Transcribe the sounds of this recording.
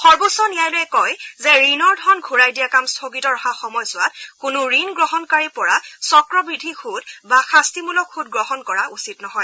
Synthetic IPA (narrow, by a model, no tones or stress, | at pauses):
xɔɹbosɔnijajlojɛkɔjzɛɹinɔɹdʱɔnɡʱuɹajdijakamstʰoɡitɔɹɔhaxɔmɔjsʊat̚kʊnʊɹinɡɹɔɦɔnkaɹipɔɹasɔkɹɔbɹidʱixʰutbaxastimulɔkʰːutɡɹɔɦɔnkɔɹaʔusitnɔɦɔj